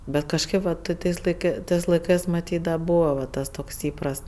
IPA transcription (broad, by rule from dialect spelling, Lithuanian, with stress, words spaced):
bʲɛt kɐʃˈkɜp ʋɐ ˈtɜ tɐɪs lˠɐɪˈkɜ ˈtɜs lˠɐɪˈkɜs mɐˈtʲiːt dɐ ˈbuːʋɐ ʋɐ ˈtɐs ˈtoːks ˈiːprɐst